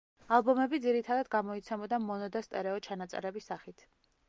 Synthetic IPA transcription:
alˠbɔmɛbid̪ziɾit̪ʰad̪ad̪ɡamɔit̪sʰɛbɔd̪amɔnɔd̪ast̪ʼɛɾɛɔt͡ʃʰanat̪sʼɛ̰ɾɛbisːaχit̪ʰ

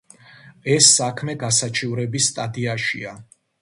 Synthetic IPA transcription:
ɛsːakʰmɛɡasat͡ʃʰivɾɛbisːt̪ʼad̪iaʃḭa

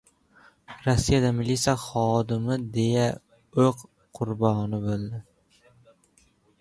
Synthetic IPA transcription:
ɾɒsːijad̪amɪlit̪sʲijaχɒd̪ɪmɪd̪e̞ja | oq | qʰːʊɾbɒnɪbolˠd̪ɪ

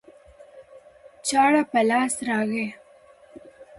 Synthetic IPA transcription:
t͡ʃɑːɽapəlɑːsɾɑɣe

